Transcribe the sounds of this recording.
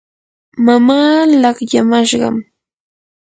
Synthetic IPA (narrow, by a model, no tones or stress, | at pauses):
mamaːlɑχjamaʃɢɑ̰m